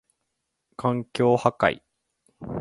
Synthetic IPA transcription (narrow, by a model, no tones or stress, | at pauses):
kãŋkʲo̞ːhaka̰ḭ